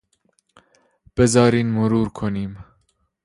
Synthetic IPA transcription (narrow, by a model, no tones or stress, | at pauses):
b̥ɛzɑːɾiːnmuɾuːɾkʰoniːm